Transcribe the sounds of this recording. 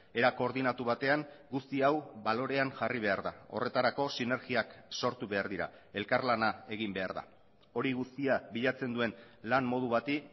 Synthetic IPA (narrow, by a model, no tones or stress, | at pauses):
e̞ɾako̞ːɾðinat̪uβat̪e̞aŋɡust̪iawbalo̞ɾe̞aŋʝariβ̞e̞aɾðao̞̰re̞t̪aɾako̞sine̞ɾɣiakso̞ɾt̪uβe̞aɾðiɾa̰ | e̞lkaɾlanae̞ɣ̞imbe̞a̰ɾða̰ | o̞ɾiɣust̪iaβiʎat͡se̞nd̪ue̞n | lammo̞ð̞uβ̞at̪i